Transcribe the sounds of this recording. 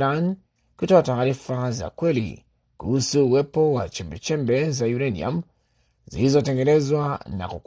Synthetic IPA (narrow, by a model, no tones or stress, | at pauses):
ɾan | kutɔataːɾifaza̰kwɛlḭ | kuhusuːwɛpɔwa̰t͡ʃɛmbɛt͡ʃɛmbɛzajuɾanḭa̰m | zḭlizɔtɛŋɡɛnɛzwana̰kuk